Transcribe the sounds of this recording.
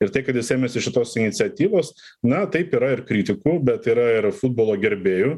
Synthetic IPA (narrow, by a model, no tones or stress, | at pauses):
ɪɾt̪ɐɪkɐt̪jɪseːmʲeːsʲɪʃʲɪt̪oːsɪnʲɪt̪sʲɪɛt̪ʲiːʋoːs | nɐt̪ɐɪpiːɾɐɪɾkɾʲiːt̪ʲɪkubʲɛt̪iːɾɐɪɾfʊd̪̚boːlˠoːɡʲɛɾʲbʲeːjʊ